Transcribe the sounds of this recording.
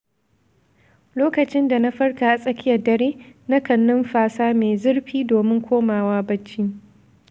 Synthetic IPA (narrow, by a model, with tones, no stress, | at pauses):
loː˦kɐ˨t͡ʃɪ˦nda˨na˦ɸɐ˦rkaː˨ʔa˨sʼɐ˦kʲɪ˦jɐ˨rdɐ˨ɾeː˦na˦kɐ˨nːʊ˦mɸaː˦saː˦meː˨zɪ˦ɽɸiː˦doː˨mɪ˦ŋkʷoː˦maː˨waː˦bɐ˦t͡ʃːiː˦